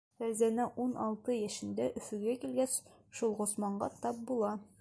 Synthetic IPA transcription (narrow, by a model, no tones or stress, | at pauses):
t̪æwzænæʔunʔɒlˠt̪ɤjæʃɘ̆nd̪æʔɵ̆fɵ̆ɡækilɡæs | ʃulˠʁŏsmɑɴɢɑt̪ɑp̚bulˠɑ